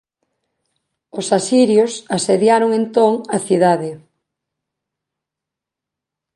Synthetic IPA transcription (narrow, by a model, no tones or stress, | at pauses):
ʊsasiɾjosaseðjaɾoŋent̪oŋaθiðaðɪ